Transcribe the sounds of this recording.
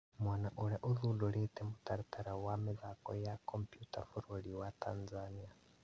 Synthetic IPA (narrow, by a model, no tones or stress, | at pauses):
mwanaʔuɺɛʔuðuɗɔɺɛtɛmutaɾit̪aɾawamɛðakɔjakɔmpjutafuɾoliwatʰanzania